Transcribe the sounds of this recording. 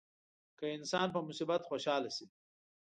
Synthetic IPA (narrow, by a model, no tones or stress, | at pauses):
kəɪnsɑnpəmʊsibat̪xoʃɑːlasi